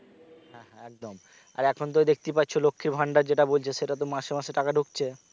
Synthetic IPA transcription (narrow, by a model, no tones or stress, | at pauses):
ɦɛ̃ɦɛ̃ɛk̚d̪om | a̰ɾɛkʰont̪̬od̪ek̚ʰt̪ipatːt͡ɕʰolokʰːiɾbʱaɳɖaɾd͡ʑeʈabolt͡ɕʰeʃeʈat̪omaʃemaʃeʈakaɖʱuk̚t͡ɕʰe